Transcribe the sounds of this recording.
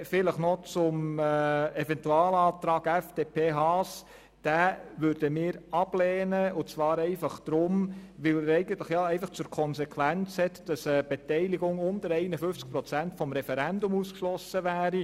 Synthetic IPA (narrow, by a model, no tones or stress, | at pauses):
fɪləχnɔt͡sʊm | ɛfɛntuɑːlɑːt̪ɾɑːɡɛfd̥eːpʰeːɦɑːs | d̥æːʋøɾd̥əmɪːɾɑb̥leːnəʊt͡sʋɑːɾɛɪfɑχd̥ɾʊmʋɪlɾɛɪɡən̩tləχjɑːɛɪfɑχt͡sʊːɾkʰɔnsɛkʰwænt͡shɛtd̥ɑsəb̥etɛɪliɡʊŋʊntəɾɛɪnəfʏft͡sk̚pɾɔt͡sæntfɔmɾɛfɛɾændʊmuːskʃlɔsəʋæːɾi